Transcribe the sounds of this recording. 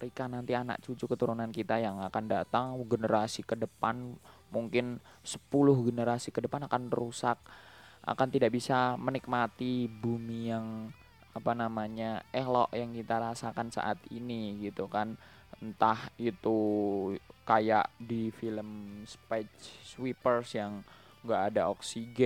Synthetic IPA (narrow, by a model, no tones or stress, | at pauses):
ɾikanant̪iana̰k̚t͡ʃut͡ʃukət̪uɾunankit̪ajaŋakandat̪aŋɡənəɾasikədəpanmuŋkɪnsə̥pulʊhɡənəɾasikədəpanakanrusak̚ʔa̰kant̪idaʔbisamənik̚mat̪ibumijaŋ | apanamaɲaelɔ̰ʔjaŋkit̪aɾasakansa̰ʔat̪ḭniɡit̪ukan | nt̪ahit̪u | kaja̰ʔdifiləmspɛt͡ʃswipərsjaŋ | ɡaʔːdaoksiɡɛ